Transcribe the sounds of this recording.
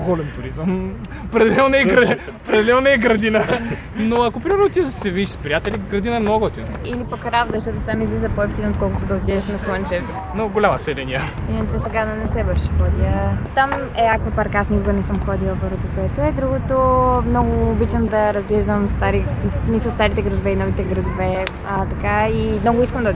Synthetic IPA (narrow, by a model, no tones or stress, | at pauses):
ɡɔlɛnt̪ʊɾizəm | pɾɛd̪ɛlɛlnɛɡɾɐ | pɾɛd̪ɛlɛlnnɛɛɡɾɐd̪inə | noɐkopɾimɛɾnot̪iəzsɛvidʃspɾijat̪ɛlʲiɡɾɐd̪inɐɛmnoɡət̪i | ilipɐkɾavd̪ɐzʃt̪ɔt̪ot̪amizlizəpoɛfk̪ʲinot̪kɔlˠkʊt̪od̪ɐot̪ʲiɛʃnɐslɐnt͡ʃɛf | noɡolʲamɐsɛlɛnʲiəinɐt͡ʃɛsɛɡad̪nɛsɛbəɾʃɛ̥xɔd̪iət̪am | ɛakvəpaɾkasnikʊɡənɛsəmxɔd̪ilˠəpəɾvot̪okoɛt̪oɛd̪ɾuɡot̪omnɔɡʊːbit͡ʃnd̪ɐɾɐzɡlɛʒd̪əmst̪aɾissmisəlˠst̪aɾit̪ɛɡɾɐd̪ʊvɛinɔvit̪ɛɡɾɐd̪ovɛ | ət̪ɐkaimnɔɡʊiskəmd̪ɐ